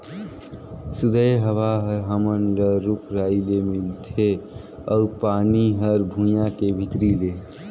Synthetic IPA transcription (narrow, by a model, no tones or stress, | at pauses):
sud̪əjɦəʋaɦəɾɦəmənɾəɾukʰɾaːilemilt̪ʰe | ɔpaniɦəɾbʱũjãkebʱit̪ɾile